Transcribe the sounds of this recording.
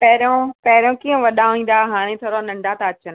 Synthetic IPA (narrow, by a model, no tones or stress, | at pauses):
pɐɦɾjõpɐɦɪɾjõkiːə̃ʋɐɗaĩːn̆d̪aɦaːɽ̃ẽt̪ʰoːɾonɐ̃ɳɖʱãt̪aɐt͡ɕən